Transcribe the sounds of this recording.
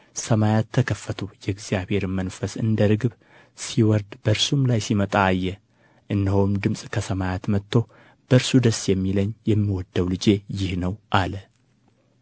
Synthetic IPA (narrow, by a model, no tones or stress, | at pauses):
səmajat̪ʰːəkʰəfːət̪ʰujɛɡzijaβhe̞ɾɨmənfəsɨ̰nd̪əɾɨɡb | siwɔɾd̪b̥əɾsumlajsimət̪ʼaːjːɛ | ʔɨnːəhomd̪ɨmsʼkʰəsəmajat̪mət̪ʰːo̞ | b̥əɾsud̪əsjɛmːiləɲːjɛmːiwɔd̪ːəwlɨd͡ʒe̞jɪhnəwʔalə